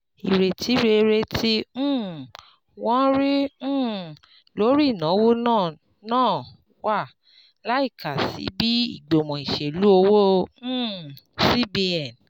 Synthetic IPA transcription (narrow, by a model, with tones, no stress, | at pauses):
i˨ɾe˨tʰi˨˦ɾe˧ɾe˧tʰĩ˦ | wɔ̃˦ɾĩ˦˨ | lo˨˦ɾi˦˨nã˨˦wo˦nãː˦˨ | nãː˦˨ | wa˦˨ | la˨˦i˦˨ka˨sḭ˨˦bi˦ḭ˦˨ɡ͡bo˨mɔ̃˨i˨ʃe˨lu˦o˧wõ˦˨ | si˦bi˦ɛ˨n